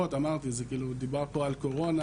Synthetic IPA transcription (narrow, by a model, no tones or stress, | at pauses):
ot̪amaʁt̪izekiːlud̪ibaʁpo̞alko̞ʁo̞na